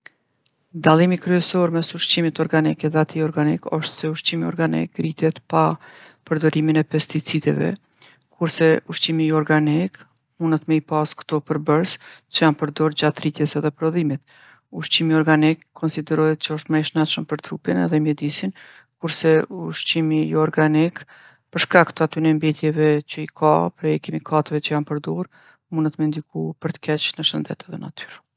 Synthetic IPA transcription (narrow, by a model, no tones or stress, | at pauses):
d̪alˠimikɾyɛsɔɾmɛsuʃt͡ɕimit̪ɔɾɡanikɛðɛat̪ʰiɔɾɡanikɔʃt̪sɛuʃt͡ɕimiɔɾɡanḭkrit̪jɛt̪pa | pəɾd̪ɔɾiminɛpɛst̪it͡sid̪ɛ̰vɛ̰ | kʰuɾsɛuʃt͡ɕimiɔɾɡanik | munət̪mɛipaskt̪ɔpəɾbəɾst͡ʃəjanpəɾd̪ɔɾd͡ʑat̪rit̪jɛsɛðɛpɾɔðimit̪ | uʃt͡ɕimiɔɾɡanikʰːɔnsid̪ɛɾɔɛt̪̚t͡ʃəɔʃt̪maɛʃnɛt̪ʃəmpəɾt̪ɾupinɛ̰ðɛmjɛd̪isin | kuɾsɛuʃt͡ɕimijɔɾɡanik | pəɾʃkakt̪əat̪ynɛmbɛt̪jɛvɛt͡ɕəikʰa̰pɾɛjɛkimikʰat̪əvɛt͡ʃəjanpəɾd̪ɔɾ | munət̪mɛnd̪ikupəɾt̪ə̥kɛt͡ʃnəʃənd̪ɛ̰t̪ɛðɛna̰t̪ʰy̥ɾ